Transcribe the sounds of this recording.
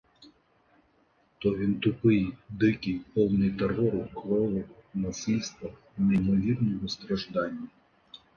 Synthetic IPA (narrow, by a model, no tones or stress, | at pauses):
t̪ɔint̪ʊpɪjd̪ɪkɪjpɔwnɪjt̪erɔɾʊklˠɔlɔnɐsɪlʲst̪ʋɐ | nɐimɔʋʲirnɔɦɔst̪ɾɐʒd̪ɑnʲːɐ